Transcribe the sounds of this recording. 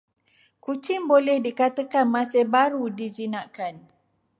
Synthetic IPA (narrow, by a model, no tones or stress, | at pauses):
kut͡ʃɪŋbolɛhdikat̪əkanmãsebaɾudid͡ʒinãʔkan